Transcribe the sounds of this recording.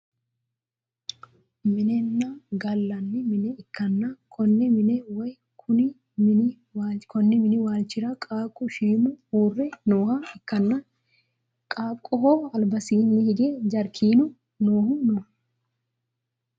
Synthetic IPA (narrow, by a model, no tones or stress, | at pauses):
mɪnɛnːaɡɐlːɐnːɪmɪnɛɪkːɐnːɐkʰɔnːɛmɪnɛwɐj | kʰʊnɪ | mɪnɪ | wakʰɔnːɪmɪnɪwaːlt͡ʃːɪɾɐkʼaːkʼʊʃiːnʊuːrːɛnoːhɐɪkːɐnːɐ | kʼaːkʼːʊhoːɐlbɐsiːnːɪhɪɡeːd͡ʒɐɾkʰiːnʊ | noːhʊno